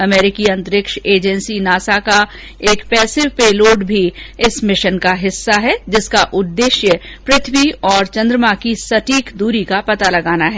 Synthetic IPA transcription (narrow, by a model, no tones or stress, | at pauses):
ɐmɛːɾɪkiɐ̃nt̪əɾɪkʃeːd͡ʒənsinaːsaka | eːkpɛːsɪʋpeːloːɖbʱiɪsmɪʃənkaɦɪsːaɦɛd͡ʒɪskaʔʊd̪ːeːʃjəpɾɪt̪ʰʋiɔːɾt͡ʃɐ̃nd̪ɾəmakisɐʈiːkd̪uːɾikapɐt̪alɐɡaːnaɦɛː